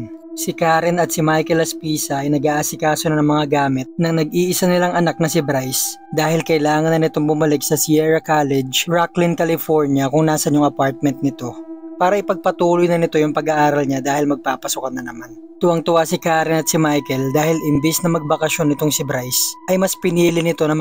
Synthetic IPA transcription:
sɪkaːɾɪnɐt̪̚sɪmajkɛlɐspiːsɐʔɐjnɐɡaːʔasɪkaːsonɐnɐŋmɐŋaɡaːmɪt̪̚nɐŋnɐɡiːʔɪsanɪlaŋʔɐnak̚nɐsɪbɾajs | d̪aːhɪlkɐʔɪlaːŋɐnːɐnɪt̪o̞ŋbʊmɐlɪk̚sɐsiɛɹɐkaːlɛd͡ʒɹaklɪnkɐlɪfoɹnjɐkʊŋnaːsɐnjʊŋʔɐpaɹt̪̚mɛnt̪̚nɪt̪o̞paːɾɐʔɪpɐɡ̚pɐt̪uːlojnɐnɪt̪o̞jʊŋpɐɡaʔaːɾɐlɲad̪aːhɪlmɐɡ̚papɐsʊkɐnːɐnɐman | t̪ʊʔɐŋt̪ʊʔasɪkaːɾɪnɐt̪̚sɪmajkɛld̪aːhɪlɪmbisnɐmɐɡ̚bɐkɐʃo̞nːɪt̪oŋsɪbɾajsʔɐjmɐspɪniːlɪnɪt̪o̞nɐm

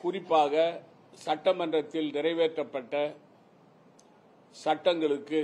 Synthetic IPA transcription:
kʊrɪpːaːɣɐ | sɐʈːɐmɐndrɐt̪ːɪlnɪrɐɪʋeːʈrɐpːɐʈːɐ | sɐʈːɐŋɡɐɭɯkːɯ

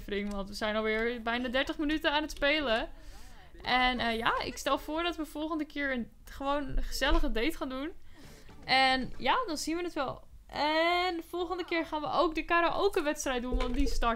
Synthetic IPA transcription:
frɪŋʋɔntʋəzɛjnɔlˠʋɪɹbɛjnadɛɹtəχmənytəaːnətspejlə | ʔɛnəjaɪ̰kstɛlˠfoːɹdɔtʋəfɔlˠχəndəkɪːɹən | χəʋownχəz̥ɛləɣədejtχaːndun | ʔɛnjadɔnz̥inʋənətʋɛlˠ | ɛnəfɔlˠχəndəkɪːɹχaːnʋə̰ʔowk̚dəkaɾaʔowkənʋɛtstrɛjt̚dunʋɔndistɑ

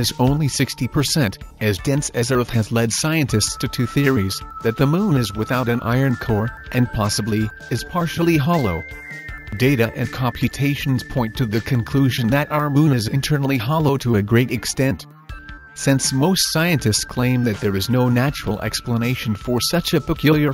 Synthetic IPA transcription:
ɨzõʊ̃nlisɪkstipʰə˞sɛ̃ntɨzdɛ̃nsɨzə˞θɨzlɛd̥saɪɨ̃ntʰɨststʰɨθɪɹizðɨt̪̚ðɨmũnɨzwəθaʊɾɨ̃nʔa̰ɪə̃˞nkʰɔɹ | ʔɨ̃npʰɑsəbli | ɨz̥pʰɑɹʃl̩ˠiɦɑlˠoʊ | deɪɾɨʔɨ̃nkʰɑ̃mpʰjɨtʰeɪʃn̩z̥pʰɔ̃ɪ̃ntʰɨðɨkʰɨ̃nkʰl̥ʉʒɨ̃n̩ðɨɾʔaə˞mũnɨzɨ̃ntʰɜ˞nl̩ˠiɦɑlˠoʊɾəɨɡɹeɪɾɨkstɛ̃nt | sɪ̃nsmoʊstsaɪɨ̃ntɨstskʰl̥ẽɪ̃mðɨt̪̚ðə˞ɨznoʊnæt͡ʃəɹl̩ˠʔɛ̰kspləneɪʃn̩fə˞sʌt͡ʃɨpɨkʰjlˠjə˞

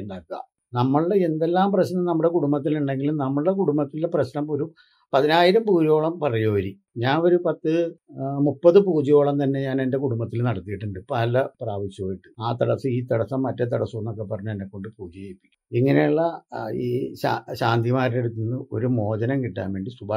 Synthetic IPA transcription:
akːa̰ | nɐmːɐɭɨɽeend̪e̞lːaːmprɐɕnɐmnɐmːɽekuɽumbɐt̪̬ːiluɳɖe̞ŋɡilumnɐmːɐɭɨɽe̞kuɽumbɐt̪ːilːeprɐɕnɐmo̞ɾu | pɐðinaːjiɾɐmpuːd͡ʑijo̞ːɭɐmpɐrɐjoːʋɐɾi | ɲaːno̞ɾupɐt̪ːɨmupːɐðɨpuːd͡ʑijo̞ːɭɐmt̪ɐnːe̞ɲaːne̞nde̞kuɽumbɐt̪ːilnɐɽɐt̪ːijiʈːuɳɖɨpːalːɐpraːʋiɕːjɐoːjiʈːɨaːt̪ɐɽɐsːɨiːt̪ɐɽɐsːɐmːɐtːet̪̬ɐɽɐsːuenːo̞kːepɐrɐɲːuenːekːo̞ɳɖɨpuːd͡ʑit͡ɕejipːi̥kʲːiŋːɐne̞juɭːɐiːɕaːɕaːnt̪imaːɾtːeɽut̪ːunːɐo̞̰ɾumo̞ːd͡ʑɐnɐŋkiʈːa̰ːnʋe̞ːɳɖisubʱa

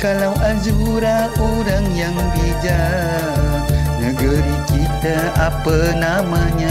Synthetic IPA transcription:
kalawʔazuɾaʔoɾaŋjaŋbid͡ʒa | nəɡəɾikit̪aapənamaɲa

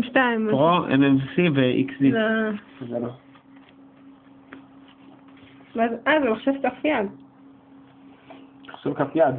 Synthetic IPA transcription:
ʃtaimʁoḛnevsiveʔḭksi | zelo | vazazemaχʃevkafjad̪ | ḁχʃevkafjad̪

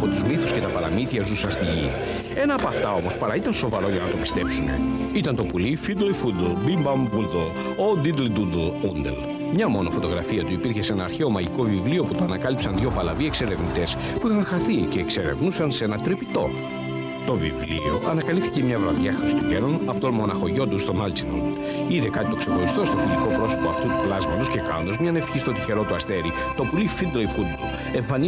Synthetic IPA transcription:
ɐpo̞t̪uzmiθusce̞t̪ɐpɐɾɐmiθiɐzusɐnst̪iʝḭ | e̞nɐːpoɐft̪ɐo̞mo̞spɐɾɐit̪ɐnso̞vɐɾo̞ʝɐnɐt̪o̞pi̥st̪e̞psune̞̰it̪ɐnt̪o̞pulifid̪lifud̪lbimbɐmbuld̪l | od̪id̪lid̪ud̪lund̪ḛl | mɲɐmo̞nofo̞t̪o̞ɣɾɐfiɐt̪uipiɾçe̞se̞nɐːɾçeo̞mɐʝiko̞vivlio̞put̪oɐnɐkɐlipsɐnðʝo̞pɐlɐvie̞kse̞ɾe̞vnit̪e̞s | puixɐŋxɐθice̞ːkseɾe̞̰vnusɐnsenɐt̪ɾipit̪o̞̰ | t̪o̞vḭvlio̞ʔɐnɐkɐlipθicemɲɐvɾɐðjɐxɾist̪uɟe̞nonɐpot̪onmo̞nɐxo̞ʝo̞nd̪ust̪o̞mɐlt͡sino̰n | iðekɐt̪it̪o̞kse̞xo̞ɾist̪o̞st̪o̞filiko̞pɾo̞so̞poɐft̪ut̪u̥plɐzmɐt̪osce̞kɐ̰nd̪ozmɲɐnefçist̪o̞t̪içe̞ɾo̞t̪uɐst̪e̞ɾi | t̪o̞pulifid̪loifkud̪t̪u | eɱfɐni

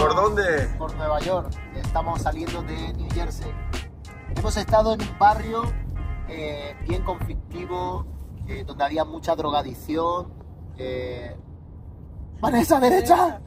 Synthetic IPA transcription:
poɾðond̪epo̞ɾnwe̞β̞aʝo̞ɾest̪amosaljẽ̞nd̪oðeniʝeɾse | e̞mo̞se̞st̪að̞oenumbarjoebje̞ŋko̞ɱflik̚t̪iβoeðo̞nd̪eaβiamut͡ʃaðɾo̞ɣ̞aðiθjoŋ | e | banesaðe̞ɾet͡ʃa

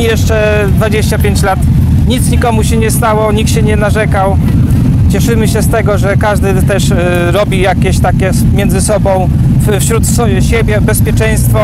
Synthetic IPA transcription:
jɛʂt͡ʂɛ | d̪vad͡ʑeɕt͡ɕapʲjeɲt͡ɕlat̪ | ɲit̪sɲikɔmuɕɛɲɛst̪awɔɲikt̪ɕɛɲɛnaʐɛkaw | t͡ɕɛʂɘmɘɕɛst̪ɛɡɔʐɛkaʐd̪ɘt̪ɛʂ | ɾɔbʲijakʲeɕt̪akʲɛ | mʲjɛnd̪zɘsɔbɔ̃w̃ | ffɕɾut̪sɔ | ɕɛbʲjɛbɛspʲjɛt͡ʂɛj̃st̪fɔ

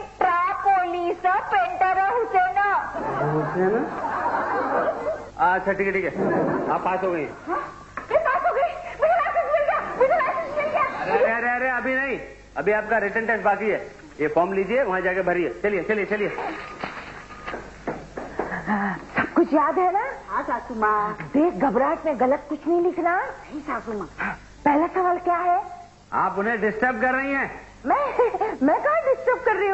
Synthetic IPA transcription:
ʈɾaːpoːliːsəpẽːɳʈəɾəɦʊsenaoboseɦɛna | aɐtːʃʰaʈʰiːkeʈʰiːkɛaːpːaːsɦoːɡəĩɦɛ̰̃ɦã | mʊd͡ʒʱepaːsɦoːɡɐimʊd͡ʒʱelaːʃə̃nsmɪlɡɪjamʊd͡ʒʱelaːʃə̃nsmɪlɡjaːɾeɐɾeɐɾeɐbʱinɐɦĩ | ɐbʱiaːp̚kaɾeʈẽɳʈɛ̃sbaːkəiɦɛː | jefɔːmliːd͡ʒieʋɐɦãd͡ʒaːkebʱɐɾiɛːt͡ʃɐliet͡ʃɐliet͡ʃɐlie | sɐb̚kʊt͡ʃʰjaːd̪ɦɛnaːɦasaːkʊmaːd̪eːkɡɐbɾaːʈmẽɣɐlət̪̚kʊt͡ʃʰnɐɦĩlɪkʰnaɦĩsaːkʊmaː | pɛɦlasɐʋaːlkjaːɦɛː | a̰ːpʊnɦẽɖɪsʈəɾb̚kɐɾːɐɦĩɦɛ̃ː | mɛ̃mɛ̃kaːɖɪsʈəɾb̚kɐɾːiɦũ

